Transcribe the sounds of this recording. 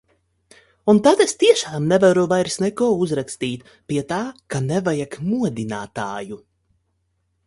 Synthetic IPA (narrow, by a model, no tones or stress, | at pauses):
unt̪at̪est̪iɛʃaːmnevaɾuvajɾsnɛkɔɔuzɾakst̪iːt̪ | pʲiɛt̪aːkanɛvajakmuɔd̪ina̰ːt̪a̰ːju